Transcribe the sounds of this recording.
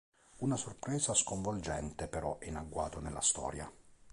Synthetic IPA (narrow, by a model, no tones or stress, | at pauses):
unasorpɾɛːzaskoɱvold͡ʒɛnt̪epeɾɔʔɛinaɡwa̰ːt̪onelːa̰st̪ɔ̰ːɾja̰